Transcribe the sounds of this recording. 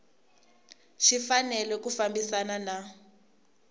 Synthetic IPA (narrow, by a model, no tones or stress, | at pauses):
ʃifanɛlɛkufambisanana